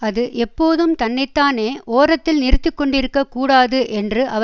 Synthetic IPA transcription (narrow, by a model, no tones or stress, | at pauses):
ɐðɯʔɛpːoːðɯmt̪ɐnːɛɪt̪ːaːneːʔoːrɐt̪ːɪlnɪɾɯt̪ːɪkːɔɳɖɪɾɯkːɐkːuːɽaːðɯʔɛndrɯʔɐ